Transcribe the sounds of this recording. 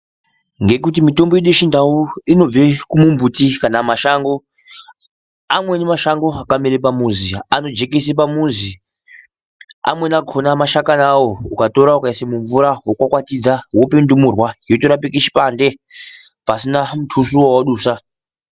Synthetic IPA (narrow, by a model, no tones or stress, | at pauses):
ŋɡe̞kutimito̞mboiɗeʃindauino̞b͡vekumumbutikanamaʃaŋɡo̞ | amwe̞nemaʃaŋɡo̞akamiɾep̬amuziano̞d͡ʒe̞kesepamuzi | a̰mwenakʰo̞namaʃakanawoukato̞ɾaukaisemuɱvuɾawokwakwatid͡zawopendumurwajotoɾapikeʃi̥pande̞ | pasinamutʰusuwowaɗuːsa